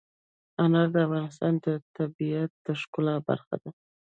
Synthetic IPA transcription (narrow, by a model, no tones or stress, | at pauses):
anɑɾd̪əafɣɑnɪst̪ɑnd̪ət̪abiat̪̚d̪̥əʂkʊlɑba̰ɾxa̰d̪a